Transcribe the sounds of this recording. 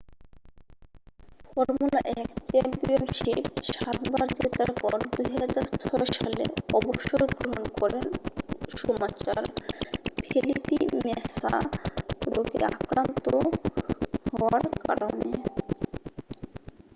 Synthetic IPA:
fɔɾmulaʔɛkt͡ɕempionʃipʃat̪baɾd͡ʑet̪aɾpɔɾd̪ujɦad͡ʑaɾt͡ɕʰɔeʃalḛɔboʃoeɡɾoɦonkɔɾenʃomat͡ɕaɾ | pʰilipimesa̰ | ɾoɡḛakɾant̪o | hɔoaɾka̰ɾone

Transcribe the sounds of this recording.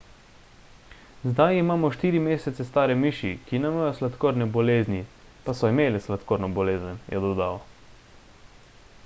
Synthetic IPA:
zd̪ajimaːmɔʃt̪iːɾimeːsɛt̪sɛst̪aːɾɛmiːʃikinamajɔslat̪koːɾnɛbɔleːzni | pasɔimeːlɛslat̪koːɾnɔbɔleːzənjʔɛ̰d̪ɔd̪aw

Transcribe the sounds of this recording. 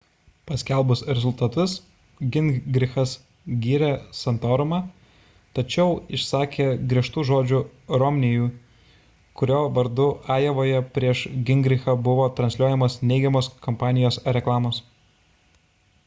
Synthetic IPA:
pɐsʲkʲɛˑlˠbʊsɾʲɛzʊlˠt̪ɐt̪ʊs | ɡʲɪnɡɾʲɪxɐs | ɡʲiːɾʲɛsɐnt̪oːɾʊmɑː | t̪ɐt͡ʃʲɛʊɪʃsɑːkʲeːɡɾʲiɛʃt̪uːʒoːd͡ʒʲʊɾɔmʲnʲɪjuː | kʊɾʲoːʋɐɾd̪ʊɑːjɛʋoːjɛpʲɾʲiɛʃɡʲɪŋʲɡɾʲɪxɐbʊʋoːt̪ɾɐnsʲlʲuɔjɛmoːsnʲɛɪɡʲɛmoːskɔmpɑːnʲɪjoːsɾʲɛklˠɑːmoːs

